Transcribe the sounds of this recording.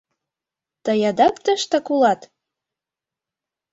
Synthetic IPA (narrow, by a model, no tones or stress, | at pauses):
t̪ɤ̆jɑd̪ɑkt̪ə̆ʃt̪ɑkulˠɑt̪